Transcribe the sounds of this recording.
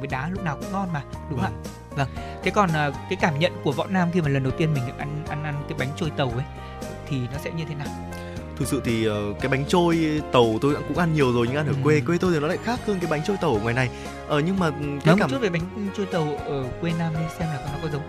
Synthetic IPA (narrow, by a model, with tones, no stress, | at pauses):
vəː˨˦jɗaː˨˦lʊ˦˥k͡p̚naː˨˩wkʊ̰˧˥ŋ͡mŋɔ˧nmaː˨˩ɗʊ˨˦ŋ͡ma̰ː˧˨ | və˧˩ŋt̪ʰe˨˦kɔ˨˩naː˨˩kaː˨˦jkaː˧˩mɲə̰˧˨nku˧˩əvɔ̰˧˨naː˧mxi˧maː˨˩lə˨˩nɗə˨˩wt̪i˧ənmi˨˩ŋ̟ɗa̰˧˥ʔa˧nʔa˧nʔa˧nkaː˨˦jɓa˨˦jŋ̟t͡ɕo˧jt̪ə˨˩wʔə˨˦j | t̪ʰi˨˩nɔ˨˦sɛ̰˧˥ɲɨ˧t̪ʰe˨˦naː˨˩w | t̪ʰɨ˨˩k̚sɨ̰˧˨t̪ʰi˨˩ʔəː˨˩kaː˨˦jɓa˨˦jŋ̟t͡ɕo˧jt̪ə˨˩wt̪o˧jɗa̰ː˧˥kʊ̰˧˥ŋ͡mʔa˧nɲi˨˩əwzo˨˩jɲɨ̰˧˥ŋʔnhəː˧˩kwe˧kwe˧t̪o˧jt̪i˨˩nɔ˨˦la̰ː˧˨xaː˦˥k̚hɨ˧ŋkaː˨˦ɓa˨˦jŋ̟t͡ɕo˧jt̪ə˨˩wŋwaː˨˩jna˨˩j | ʔəː˨˩ɲɨ˧ŋmaː˨˩˨kaː˨˦˧kaː˧˩t͡ɕu˦˥t̚vəː˨˦jɓa˨˦jŋ̟t͡ɕo˧jt̪ə˨˩wʔəː˧˩kwe˧naː˧mɗsɛ˧mlaː˨˩˨nɔ˨˦kɔ˨˦zə˨˦w